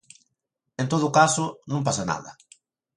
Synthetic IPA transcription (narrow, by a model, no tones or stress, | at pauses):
ẽnt̪oðʊkasʊnõmp̬asana̰ðɐ̰